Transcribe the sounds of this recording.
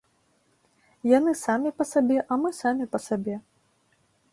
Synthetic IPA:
janɨsamʲipɐsabʲɛʔɐmɨsamʲipɐsabʲɛ

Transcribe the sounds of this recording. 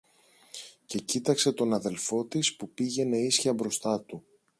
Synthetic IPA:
ce̞cit̪ɐkse̞t̪o̞nɐðe̞lfo̞t̪ispupiʝe̞ne̞isçiɐbɾo̞st̪ɐt̪u

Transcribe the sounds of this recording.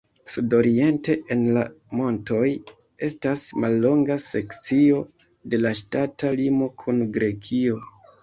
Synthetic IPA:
sudo̞ɾie̞nte̞ʔenla | mo̞nto̞j | e̞stasmalːo̞ŋɡase̞kt͡sio̞ | de̞laʃtatalimo̞kʰunɡɾe̞kʰio̞

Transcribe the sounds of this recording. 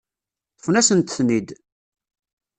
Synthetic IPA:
θəfnæsənt̪əθmid̪

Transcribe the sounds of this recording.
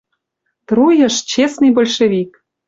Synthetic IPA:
t̪rujə̆ʃt͡ɕesnɨjbolʲʃevʲik

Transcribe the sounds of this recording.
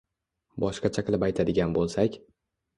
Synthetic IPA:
bɒʃqɑt͡ʃʰaqɨlˠɪpajt̪ʰad̪ɪɡʲanbolˠsakʲ

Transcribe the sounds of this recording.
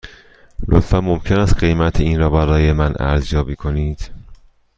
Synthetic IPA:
lʔo̰t̪fænmomcʰe̞næst̪̚ɢe̞jmæt̪ʰeiːnɾɒːbæɾɒːjemænʔæ̰ɾzjɒːbiːkʰo̞niːd̪̥

